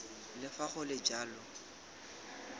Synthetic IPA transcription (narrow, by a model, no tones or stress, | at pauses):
lɪfaχʊlɪd͡ʒaːlɔ